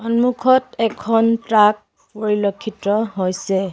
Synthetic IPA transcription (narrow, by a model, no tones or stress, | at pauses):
ɔnmukʰɔtɛkʰɔntɹak̚ | poɹilokʰːitɔɦojsɛ